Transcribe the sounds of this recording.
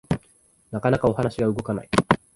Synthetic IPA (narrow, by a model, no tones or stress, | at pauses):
nakanakao̞hanaɕiɡaɯɡo̞kana̰i